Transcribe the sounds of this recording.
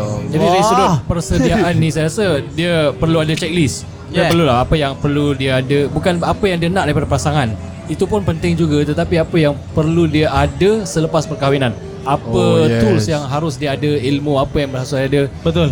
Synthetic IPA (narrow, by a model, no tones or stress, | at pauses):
d͡ʒadiaisudʊpərsədiaʔanːĩsajaɣasadiəpərluadət͡ʃɛk̚lis | iapərlulahapəjaŋpərludiaadəbukanapəjaŋdiənaʔdaɾipadapasaŋan | it̪upʊnpənt̪ɪŋd͡ʒuɡat̪ət̪apiapəjaŋpərludiaʔadəsələpaspərkawinan | apət̪ʊlsjaŋɦaɾʊs̬diaadəilmũapəjaŋbərɦasʊadəbət̪ʊl